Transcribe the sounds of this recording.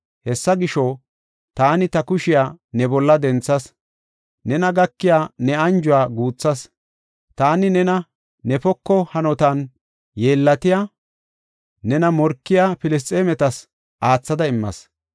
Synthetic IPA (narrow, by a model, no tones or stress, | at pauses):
hɛsːɐɡɪʃɔ | t̪aːnɪt̪ɐkʊʃɪjaːnɛbɔlːɐd̪ɛnt͡sːɐs | nɛnɐɡɐkːɪjaːnɛɐnd͡ʒʊwaːɡuːt͡sːɐs | t̪aːnɪnɛnɐ | nɛfɔkːɔhɐnɔt̪ɐn | jeːlːɐt̪ɪjaː | nɛnɐmɔɾkːɪjafɪlɪs̬t̪ʼeːmɛt̪ɐs | ʔaːt͡sːɐd̪ɐɪmːɐ̰s